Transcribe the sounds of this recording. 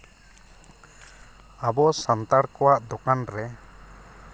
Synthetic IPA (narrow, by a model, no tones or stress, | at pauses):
abɔsant̪aɽkɔwaʔd̪ɔkanɾɛ